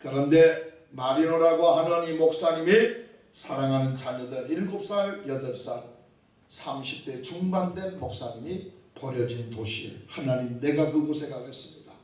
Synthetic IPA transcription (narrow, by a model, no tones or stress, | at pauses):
kɯɾʌnde̞ | maɾinoɾaɡoɦanʌɲimok̚s͈aɲimi | sʰaɾaŋɦanɯnt͡ɕaɲʌdɯɾinkop̚s͈aɭjʌdʌɭs͈a | sʰamɕʰi̥p̚t͈e̞t͡ɕuŋbandwe̞nmok̚s͈aɲimipʌɾjʌd͡ʑintoɕʰiḛhanaɲimne̞ɡakɯɡosʰeŋɡaɡɯɭhes͈ɯ̥mɲida